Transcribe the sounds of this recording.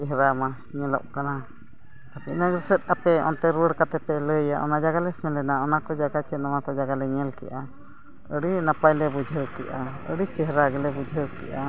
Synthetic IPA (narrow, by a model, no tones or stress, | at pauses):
ɛɦɾama | ɲɛlɔ̰ʔ̚kana | t̪apiʔnəɡɾsət̪̚ˀapɛɔ̰nt̪ɛɾuwəɽkat̪ɛpɛləjaʔɔ̰nad͡ʒaɡalɛsɛ̃lɛnaɔnakɔd͡ʒaɡat͡ʃɛnɔwakɔd͡ʒaɡalɛɲɛlkɛ̰ʔa | əɽinapajlɛbud͡ʒʱəwkɛ̰ʔa | ə̰ɽit͡ʃɛɦɾaɡɛlɛbud͡ʒʱəwkɛ̰ʔa